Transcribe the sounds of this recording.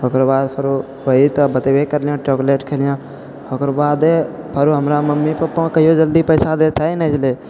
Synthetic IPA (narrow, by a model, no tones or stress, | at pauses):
ɦokɾbaːd̪pʰəɾu | bəit̪əbət̪eʋekəɾlijãːʈoːkleːʈkʰeːlijã | hokɾbaːd̪e | pʰəɾuɦəmɾaməmːipəpɔ̃kəɦijod͡ʒəld̪ipəjsad̪et̪ʰainɛd͡ʒle